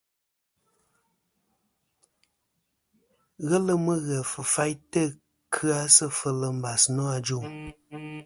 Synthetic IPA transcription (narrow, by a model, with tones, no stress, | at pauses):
ɣə˦lə˦mɨ˦ɣɛ˨fə˨fa˦jtə˦ | kʰɨ˦a˦sə˦fə˨lə˨m̩˦ba˨snɔ˦a˨d͡ʒu˦˨